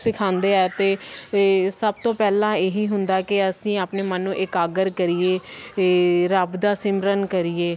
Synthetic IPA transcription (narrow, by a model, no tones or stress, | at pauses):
sɪkʰãːnd̪eːɛːt̪eː | səb̚t̪õːpɛːlãːeːɦiːɦʊnd̪aːkɪəsĩːaːpneːmənːũːʔɪkaːɡəɾkəɾijeː | ɾəbd̪aːsɪmɾənkəɾieː